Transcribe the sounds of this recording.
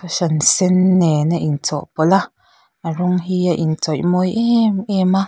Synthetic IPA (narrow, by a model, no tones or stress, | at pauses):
kaʃansenːeneʔint͡soʔpola | aɾoŋɦiaʔint͡sojmojeemã